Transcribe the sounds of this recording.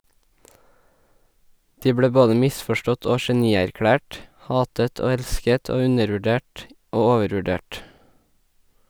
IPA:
ˈdiː ˈbɽeː ˈboːdə ˈmɪsfɔˌʃʈɔt ˈoː ʃɛˈniːæɾˌkɽæːʈ ˈhɑːtət ˈoː ˈɛlskət ˈoː ˈʉnəɾʋʉˌɖeːʈ ˈoː ˈoːʋəɾʋʉˌɖeːʈ

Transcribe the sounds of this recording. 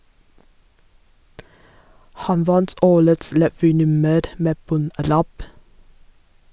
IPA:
ˈhɑn ˈʋɑnt ˈoːɾəts ɾɛˈʋyːˌnʉməɾ ˈmeː ˈbɔnˌɾæp

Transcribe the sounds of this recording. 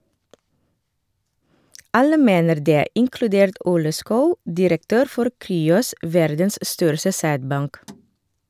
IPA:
ˈɑlə ˈmeːnəɾ ˈdeː ɪŋklʉˈdeːɾt ˈʔuːlə ˈskɑʉ dɪɾəkˈtøːɾ ˈfɔɾ ˈkɾyːɔs ˈʋæɾdəns ˈstœɾsə ˈsæːdˌbɑŋk

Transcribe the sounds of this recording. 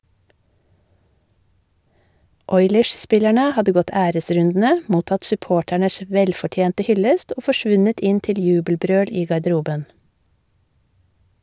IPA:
ˈɔʏləɹsˌspɪlæɳə ˈhɑdə ˈɡɔt ˈæːɾəˌsɾʉndn̩ə ˈmuːtɑt sʉˈpoːʈæɳəs ˈʋɛlfɔˌtjeːntə ˈhʏləst ˈoː fɔˈʃʋʉnət ˈɪn ˈtɪl ˈjʉːbəlˌbɾøːɽ ˈiː ɡɑɖəˈɾuːbən

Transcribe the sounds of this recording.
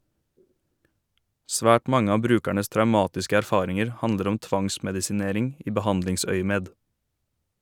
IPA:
ˈsʋæːʈ ˈmɑŋə ˈɑː ˈbɾʉːkæɳəs tɾɑʉˈmɑːtɪskə æɾˈfɑːɾɪŋəɾ ˈhɑndəɾ ˈɔm ˈtʋɑŋsmɛdɪsɪˌneːɾɪŋ ˈiː bəˈhɑndlɪŋˌsœʏəmeːd

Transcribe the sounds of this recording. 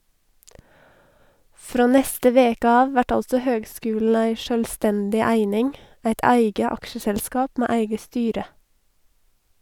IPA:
ˈfɾoː ˈnɛstə ˈʋeːkə ˈɑːʋ ˈʋæʈ ˈɑlsɔ ˈhøːɡˌskʉːlɳ̩ ˈæɪ ʃœlˈstɛndɪ ˈæɪnɪŋ ˈæɪt ˈæɪɡə ˈɑkʃəsɛlˌskɑːp ˈmeː ˈæɪɡə ˈstyːɾə

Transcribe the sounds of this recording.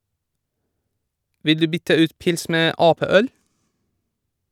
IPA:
ˈʋɪl ˈdʉː ˈbʏtə ˈʉːt ˈpɪls ˈmeː ˈʔɑːˌpeːˌœl

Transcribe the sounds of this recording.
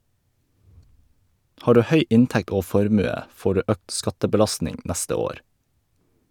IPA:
ˈhɑː ˈɖʉː ˈhœʏ ˈɪntɛkt ˈoː ˈfɔɾmʉə ˈfoː ˈɖʉː ˈøːkt ˈskɑtəbəˌlɑstnɪŋ ˈnæstə ˈoːɾ

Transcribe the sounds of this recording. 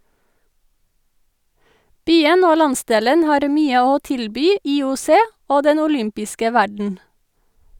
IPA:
ˈbyːən ˈoː ˈlɑnˌsdeːlən ˈhɑːɾ ˈmyːə ˈoː ˈtɪlbyː iːʊˈseː ˈoː ˈdɛn ʊˈlʏmpɪskə ˈʋæɖɳ̩

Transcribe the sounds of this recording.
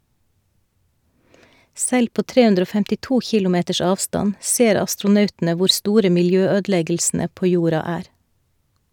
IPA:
ˈsɛl ˈpoː ˈtɾeː ˈʉndɾ ˈoː fɛmtɪˈtuː ˈçɪlʊˌmeːtəʃ ˈɑːʋstɑn ˈseːɾ ɑstɾʊˈnœʉtn̩ə ˈʋʊɾ ˈstuːɾə mɪlˈjøːˌøːdl̩ˌɛɡl̩sn̩ə ˈpoː ˈjuːɾɑ ˈæːɾ

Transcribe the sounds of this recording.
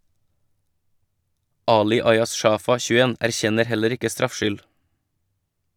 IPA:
ˈɑːlɪ ˈɑɪɑs ˈʃɑːfɑ çʉˈeːn æɾˈçɛnəɾ ˈhɛləɾ ˈɪkə ˈstɾɑfˌʃʏl

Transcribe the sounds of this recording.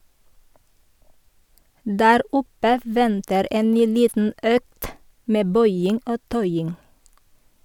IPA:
ˈdæːɾ ˈʊpə ˈʋɛntəɾ ˈeːn ˈnyː ˈliːtn̩ ˈøːkt ˈmeː ˈbœʏɪŋ ˈoː ˈtœʏɪŋ

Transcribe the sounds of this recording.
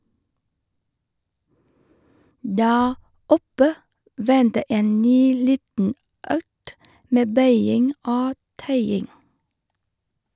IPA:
ˈdæːɾ ˈɔpə ˈʋɛntə ˈeːn ˈnyː ˈliːtn̩ ˈœkt ˈmeː ˈbœʏɪŋ ˈoː ˈtœʏɪŋ

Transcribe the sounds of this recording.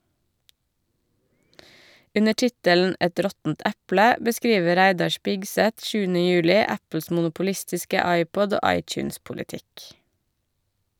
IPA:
ˈʉnə ˈʈɪtələn̩ ˈʔɛt ˈɾɔtn̩t ˈʔæplə bəˈskɾiːʋə ˈɾæɪdɑ ˈʃpɪɡsɛt ˈʃʉːənə ˈjʉːlɪ ˈæpl̩s mʊnʊpʊˈlɪstɪskə ˈɑɪpɔd ˈoː ˈʔɑɪt͡ʃʉːnspʊlɪˌtɪk

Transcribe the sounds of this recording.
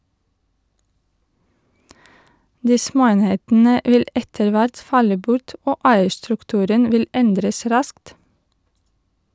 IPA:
ˈdiː ˈsmoːˌeːnheːtn̩ə ˈʋɪl ˈɛtəɭ ˈʋæɾt ˈfɑlə ˈbʊʈ ˈoː ˈæɪəɾstɾʉkˌtʉːɾən ˈʋɪl ˈɛndɾəs ˈɾɑskt

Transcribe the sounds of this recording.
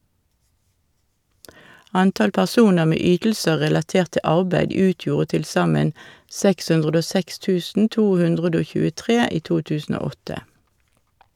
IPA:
ˈɑntɑl pæʁˈsuːnəʁ ˈmeː ˈyːtl̩sə ʁɛlɑˈteːʁt ˈtɪ ˈɑʁbæɪd ˈʉːtjuːʁə tɪlˈsɑmən ˈsɛks ˈʉndʁəd ˈoː ˈsɛks ˈtʉːsn̩ ˈtuː ˈhʉndʁədə ˈoː çʉːəˈtʁeː ˈiː ˈtuː ˈtʉːsn̩ ˈoː ˈɔtə

